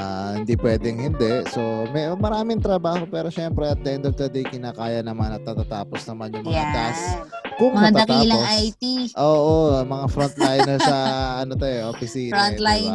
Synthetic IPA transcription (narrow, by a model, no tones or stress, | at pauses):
ʔahɪnd̪ipwɛːd̪ɛŋhɪnd̪ɛso̞mɛmɐɾaːmɪŋt̪ɾɐbaːho̞pɛːɾo̞ʃɛmpɾɛɐt̪̚d̪ɛnd̪ɛɾt̪ɐd̪ɛjkɪnaːkaːjɐnɐmanɐt̪̚nɐt̪aːt̪aːposnɐmanjʊŋbɐt̪askʊŋnɐd̪aɐkt̪aːlosajt̪iʔoːʔomɐŋafɾont̪̚lajnnɛɹsɐʔɐnot̪oɛʔofɪsiːnlaj